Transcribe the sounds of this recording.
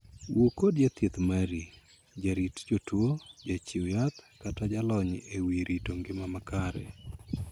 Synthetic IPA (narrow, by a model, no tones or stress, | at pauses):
wʔokodd͡ʒat̪jet̪maɾi | d͡ʒaɾitd͡ʒotwod͡ʒat͡ʃiwjat̪katad͡ʒalɔɲewiɾʔitoŋɡɪmamakaɾɛ̰